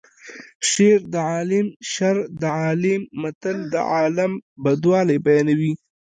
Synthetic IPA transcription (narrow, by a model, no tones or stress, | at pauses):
ʃeɾd̪əʕɑːlɪmʃaɾd̪əʕɑːlɪmːɐt̪əld̪ə̰ʕɑːlambɐd̪wɑːlajbajɑːnawi